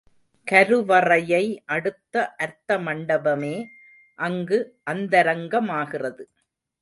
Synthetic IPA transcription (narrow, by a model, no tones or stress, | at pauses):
kɐɾɯʋɐrɐjɐɪʔɐɽɯt̪ːɐʔɐɾt̪ɐmɐɳɖɐbɐmeː | ʔɐŋɡɯʔɐnd̪ɐɾɐŋɡɐmaːɣɪrɐðɯ